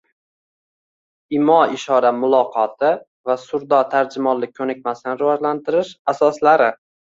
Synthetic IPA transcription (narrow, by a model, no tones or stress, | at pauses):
ɪmɒɪʃɒɾamʊlˠɒqʰɒt̪ʰɪ | vasʊɾd̪ɒt̪ʰaɾd͡ʒɪmɒlːɪk̚ʲʰːɵnɪk̚ʲmasɪnɪɾɪvɒd͡ʒlant̪ʰɪɾɪʃasɒslaɾɪ